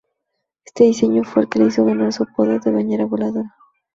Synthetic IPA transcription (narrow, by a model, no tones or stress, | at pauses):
est̪eðise̞ɲofwḛːlkeleisoɣanaɾsupoðeɾðeβaneɾaβolaðoɾa